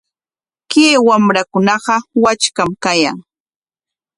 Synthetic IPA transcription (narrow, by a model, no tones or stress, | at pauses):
kewamɾakʊnɑɢɑwat͡ʃkamkaja̰ŋ